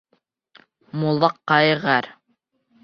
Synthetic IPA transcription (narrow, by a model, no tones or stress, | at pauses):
mulˠɑqːɑjʁæɾ